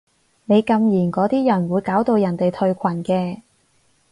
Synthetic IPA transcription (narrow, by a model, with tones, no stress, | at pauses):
ne˨˧jkɐ˧mjiː˨˩nkɔː˨˥t̪iː˥jɐ˨˩nwuː˨˧jkaː˨˥wt̪o˧wjɐ˨˩nt̪e˨jt̪ʰɵ˧ɥkʷʰɐ˨˩nkɛː˧